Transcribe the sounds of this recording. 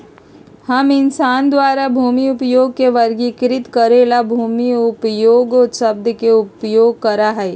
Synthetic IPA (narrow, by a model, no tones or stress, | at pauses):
hɐmɪnsaːnd̪waːɾabʱuːmiʊpjoːɡ̚keʋɐɾɡikɾɪt̪kəɾeːlabʱuːmiʊpjoːɡosəb̚d̪ʱəkeʊpjoːɡ̚kɐɾaɦɛe